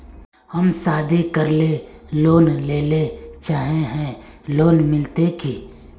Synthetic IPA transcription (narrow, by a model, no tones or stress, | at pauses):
həmsaːd̪ʱikəɾleloːnleːlet͡ʃaːɦẽɦɛ̃loːnmɪlt̪eki